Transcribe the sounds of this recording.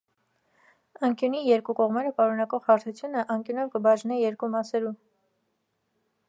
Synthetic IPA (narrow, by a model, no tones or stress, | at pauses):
ɑŋkjunijɛɾkukɔʁmɛɾəpɑɾunɑkɔʁhɑɾt̪ʰut͡sʰjunəʔɑŋkjunɛnkəbɑʒnɛjɛɾkumɑsɛɾu